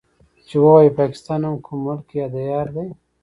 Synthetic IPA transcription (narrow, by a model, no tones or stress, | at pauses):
t͡ʃewowajipɑkɪ̥st̪ɑnamkʰʊmːʊlkjɑd̪ajɑːɾd̪aj